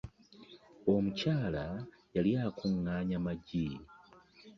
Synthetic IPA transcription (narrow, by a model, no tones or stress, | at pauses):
o̞mucaːla | jaljakʰuŋːaːɲamaɟi